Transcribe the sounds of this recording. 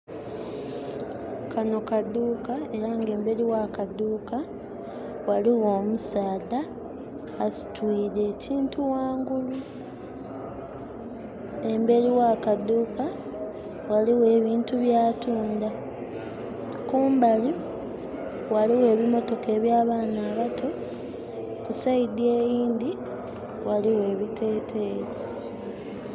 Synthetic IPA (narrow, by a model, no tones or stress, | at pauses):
kano̞kad̪uːkae̞ɾaːŋɡe̞ːmbe̞ɾiwakaduːka | waliwo̞ːmusaːdaː | si̥twiːɾe̞ːcʰiːntuwaːŋɡulu | e̞mbe̞ɾiwakad̪ːuːka | waliwe̞ːβiːntuβjaːtuːnda | kuːmbali | waliwe̞ːβimo̞to̞ke̞ːβjaːβaːnaːβatʰo̞ | kusaidie̞ːjiːnd̪i | waliwe̞ːβitʰe̞ːtʰe̞ɾi